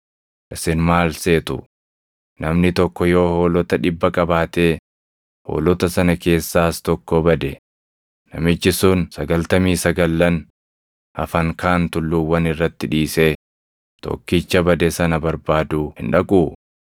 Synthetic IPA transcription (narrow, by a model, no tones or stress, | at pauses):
ʔɪsɪnmaːlse̞ːt̪ʊ̰ | nɐmnɪt̪ɔkːɔjo̞ːhoːlɔt̪ɐᶑɪbːɐkʼɐbaːt̪eː | ho̰ːlɔt̪ɐsɐnɐke̞ːsːaːst̪ɔkːɔbɐd̪ɛ | nɐmɪd͡ʒːɪsuːnsɐɡɐlt̪ɐmiːsɐɡɐlːɐn | ɐfɐŋkʰaːnt̪ʊlːuːwɐnɪrːɐt̪ːɪᶑiːse̞ː | t̪ɔ̰kːɪt͡ʃːɐbɐd̪ɛsɐnɐbɐɾbaːd̪uːhɪ̰nᶑɐkʼuː